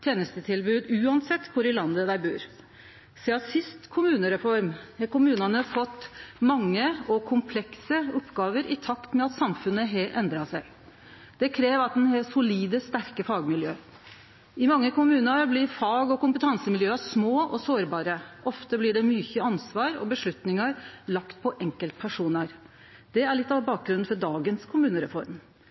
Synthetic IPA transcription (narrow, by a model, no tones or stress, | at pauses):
t̪ʰjeːnəst̪ət̪ʰɪlbʉːd̪ʉːɑnsɛt̪ːkʰʊɾɪlɑnd̪əd̪æɪbʉːɾ | seɑsɪst̪kʰʊmʉːnəɾɛfɔɾmhɑkʊmʉːnɑnəfɔt̪ːmɑŋːəɔkʰʊmpʰlɛksəɔpːɡɑːʋəɾʔɪt̪ʰɑkt̪mɛɑt̪sɑmfʉnːəɦeʔɛnd̪ɾɑsæɪ | d̪̥ɛkʰɾeːʋɑt̪̚d̪ɛnɦɛsʊliːd̪əst̪æɾkəfɑːɡmɪljøː | ɪmɑŋːəkʊmʉːnəɾblɪɾfɑːɡɔkʊmpət̪ʰɑnsəmɪljøːɑʂmoːɔsoːɾbɑːɾəʔɔft̪əblɪɖɛmyːçəɑnsʋɑːɾɔ̰bəʂɭʉt̪nɪŋɑɾlɑkt̪̚pʰɔʔɛŋkəlt̪̚pʰæʂuːnɑɾ | d̪̥ɛæɭɪt̪ːɑʋbɑːk̚ɡɾʉnn̩fɔɖɑːɡənskʰʊmʉːnəɾɛfɔɾm